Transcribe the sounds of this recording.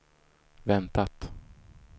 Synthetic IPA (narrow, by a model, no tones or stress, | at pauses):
vɛnt̪at̪